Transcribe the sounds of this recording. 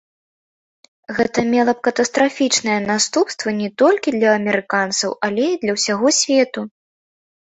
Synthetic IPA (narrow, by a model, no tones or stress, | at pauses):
ɣɛt̪ɐmʲɛlˠɐp̚kɐt̪ɐst̪ɾafʲit͡ʂnɐjɛnast̪upst̪vɐnʲɛt̪ɔlʲkʲid̪lʲɐːmʲɛɾɨkant̪sɐwʔɐlʲɛid̪lʲɐwsʲaɣɔsʲvʲɛt̪u